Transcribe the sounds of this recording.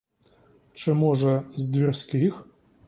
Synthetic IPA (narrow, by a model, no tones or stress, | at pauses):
t͡ʃɪmɔʒɛzd̪ʲʋʲirsʲkɪx